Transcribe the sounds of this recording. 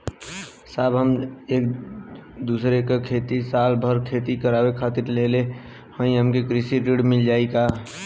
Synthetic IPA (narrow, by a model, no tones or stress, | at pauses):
saːbɦəmek | d̪usɾekekʰet̪isalbʱəɾkʰet̪ikəɾabekʰat̪iɾlele | hə̃ĩɦəmkekɾisiɾiɽmild͡ʒaika